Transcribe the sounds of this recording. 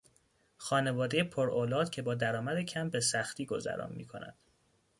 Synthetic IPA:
xɒːne̞vɒːd̪e̞jepʰoɾoːlɒːd̪̥cʰe̞bɒːd̪æɾɒːmæd̪ecʰæmbe̞sæxt̪ʰiːɡo̞zæ̰ɾʔɒ̰ːnmḭːkʰo̞̰næ̰d̪̥

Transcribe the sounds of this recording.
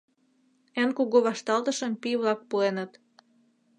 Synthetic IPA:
enkuɣoβɑʃt̪ɑlt̪əʃə̆mpiβlɑk̚puenət̪

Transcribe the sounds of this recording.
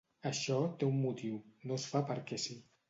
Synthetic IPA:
əʃɔt̪eumːut̪iwnosfapəɾkɛsi

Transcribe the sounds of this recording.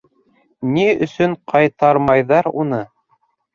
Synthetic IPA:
niɵ̰̆sɵɴqʰɑjt̪ɑɾmɑjðɑɾunɤ

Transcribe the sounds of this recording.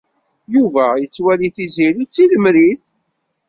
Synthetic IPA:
juvæjət͡sːwæliθiziɾit͡sːiləmɾiθ

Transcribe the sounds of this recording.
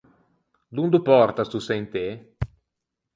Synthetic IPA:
d̪und̪upɔɾt̪ast̪useint̪e

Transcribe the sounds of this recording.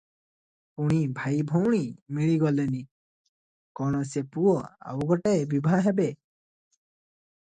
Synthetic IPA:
puɽ̃ibʱajbʱɔwɽ̃imiɭiɡɔlɛni | kɔnɔsepuɔa̰wɡɔʈajbibʱaɦɛbɛ

